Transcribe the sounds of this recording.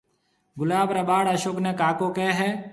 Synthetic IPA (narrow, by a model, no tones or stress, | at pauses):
ɡʊlaːbɾɐbaːɽɐʃoːknekaːkokɛɦɛː